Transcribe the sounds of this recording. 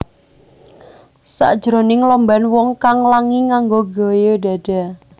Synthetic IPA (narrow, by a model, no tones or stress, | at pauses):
sa̰d̥ʒ̥ɾonɪŋlɔmbanwɔŋkaŋlaŋiŋaŋɡoɡojoda̤d̥a̤